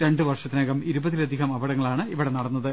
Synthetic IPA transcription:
ɾe̞ɳɖɨʋɐrʂɐt̪ːinɐːɣɐmiɾubɐðilɐd̪ʱiɣɐmɐbɐɽɐŋːɐɭaːɳɨiʋiɽenɐɽɐnːɐðɨ

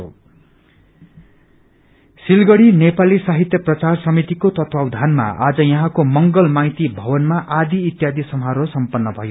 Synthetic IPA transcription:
o̰ | silɡʌɽinepalisaɦit̪jʌprʌt͡sarsʌmit̪ikot̪ʌt̪wawd̪ʱanma̰a̰d͡zʌjʌɦãkomʌŋɡʌlmajt̪ibʱʌbʌnmaʔad̪iːt̪jad̪isʌmɦaɾosʌmpʌnːʌbʱʌjo

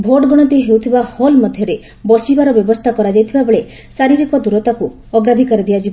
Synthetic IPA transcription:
bʱoʈɡɔɽ̃ɔt̪iɦewt̪ʰibaholmɔd̪ʱjɔɾe | bɔsibaɾɔbjɔbɔst̪ʰakɔɾad͡ʒajt̪ʰibabeɭe | saɾiɾikɔd̪uɾɔt̪aku | ɔɡɾad̪ʱikɔɾid̪ijad͡ʒib

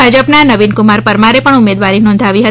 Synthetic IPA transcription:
bʱad͡ʒəpnanəʋinkumaɾpəɾmaɾepəɳumed̪ʋaɾinɔ̃nd̪ʱaʋiɦət

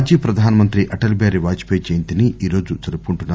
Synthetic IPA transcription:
d͡ʒipɾɐd̪ʱaːnɐmɐnt̪ɾiʔɐʈɐlbaːɾiʋaːd͡ʒi̥peːt͡ʃejint̪iniiːɾo̞ːd͡ʒut͡ʃɐɾupuɳʈunːa

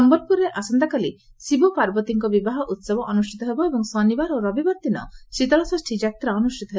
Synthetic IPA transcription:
ɔmbɔɾpuɾeʔasɔnd̪akali | sibɔpaɾbɔt̪iŋkɔbibaɦɔʔut̪sɔbɔʔɔnusʈʰit̪ɔɦebɔebɔŋsɔnibaɾoɾɔbibɔɾt̪inɔ̰sit̪ɔɾɔsɔsʈʰid͡ʒak̚t̪ɾaɔnusʈʰit̪ɔɦe

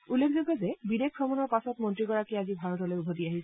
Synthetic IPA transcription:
ulːekʰzoɡɔzɛbidekʰːɔmɔnɔɹpasɔtmɔntɹiɡɔɹakiazibʱaɹɔtɔlojubʱodiaɦisʰ

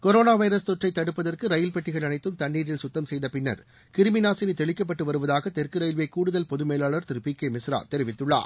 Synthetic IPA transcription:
kɔɾoːnaːʋɐɪɾɐst̪ɔʈrɐɪt̪ːɐɽɯpːɐðɐrkɯɾɐjɪlpɛʈːɪɣɐɭɐnɐɪt̪ːɯmt̪ɐɳːiːɽɪlsʊt̪ːɐmsɛjðɐpɪnːɐ̰ɾ | kɪɾɯmɪnaːsɪɾit̪ɛɭɪkːɐp̬ːɐʈːɯʋɐɾɯʋɐðaːɣɐt̪ɛrkɯɾɐjɪlʋekːuːɽɯðɐlpɔðɯmeːlaːɭɐɾt̪ɪɾɯpiːkːeːmɪsɾa̰ːt̪ɛɾɪʋɪt̪ːɯɭːa̰ː

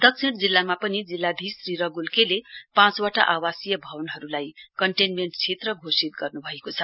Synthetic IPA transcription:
d̪ʌk̚sʰiɽd͡zilːamapʌnid͡zilːad̪ʱisriɾʌɡulkelepãt͡swaʈa̰ʔawasijʌbʱʌwnɦʌɾulajkʌɳʈenmeɳʈt͡sʰet̪rʌɡʱosit̪̚ɡʌrnubʱʌekot͡sʰʌ

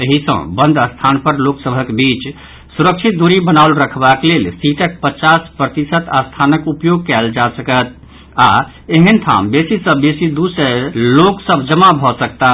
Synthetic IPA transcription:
əɦisə̰̃bə̃nd̪ʱəst̪ʰanpəɾloksəbʱəkebit͡ʃ | suɾəkt͡ʃʰit̪̚d̪uɾibənaʊlɾəkʰbaklelsiʈək̚pət͡ʃaspɾət̪isət̪ast̪ʰanəkupjoɡ̚kɛld͡ʒasəkət̪̚ | a | eɦənt̪ʰa̰mbesisə̃besid̪usəloksəbʱd͡ʒəmabʱɔsəkt̪a

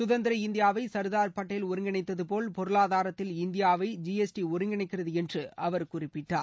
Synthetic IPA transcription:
sʊðɐnd̪ɪɾɐɪnd̪ɪjaːʋɐɪsɐɾðaːɾpɐʈːɐjɪlʊɾɪŋɡɪɳɐɪt̪ːɐðɯpoːlpɔɾɯɭaːðaːɾɐt̪ːɪlɪnd̪ɪjaːʋɐɪd͡ʒiɛsʈiʊɾɪŋɡɪɳɐɪkːɪrɐðɯɛndrɯɐʋɐɾkʊrɪpːɪʈːaː

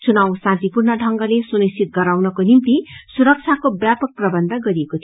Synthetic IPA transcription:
t͡sunawsãnt̪ipurnʌɖʱʌŋɡʌlesunisit̪̚ɡʌɾawnʌkonimt̪isuɾʌk̚t͡sʰakobjapʌk̚prʌbʌnd̪ʱʌɡʌɾiekot̪ʰ

